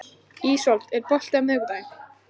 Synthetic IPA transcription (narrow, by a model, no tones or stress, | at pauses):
iːsɔlt̪ɛɾpɔl̥t̪amʏːɣðajn